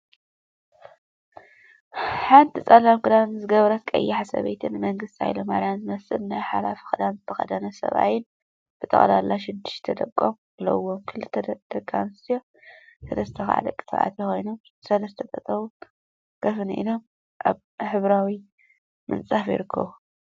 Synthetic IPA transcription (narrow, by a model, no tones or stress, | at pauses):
ħant̪ʰit͡sʼɐlamkʰɨd̪anzɨɡɐβɾɐt̪kʼɐ̰jːɪħasɐ̰βḛjt̪ʰɨnːɨmɐŋɡɨst̪ʰia̰jlomaɾjanzɨmɐsɨlnajħalafi̥xɨd̪anzɨt̪ʰɐxɐ̰d̪ɐnɐsɐ̰βa̰jɪn | b̥ɨt̪ʼɐ̰χʼlalːaʃ̬ɪd̪ːɪ̥ʃt̪ʰɐd̪ɐkʼːom | lɐ̰wːomkʰɨlɨt̪ʰːɐd̪̥ɐɡʼa̰nɨst̪ʰijo | sɐlɐst̪ʰɐxa̰ʕa̰d̪ɐkʼːɨ̥t̪ʰa̰ʔa̰t̪ʰjixo̞jno̞m | sɐlɐst̪ʰɐt̪ʼɐt̪ʼɐβu | kʰɐfɨnʔḭlo̞m | ʔa̰β | ħɨβɾawi | mɨ̰nt͡sʼafjɪ̰ɾɨkʰːɐ̰βu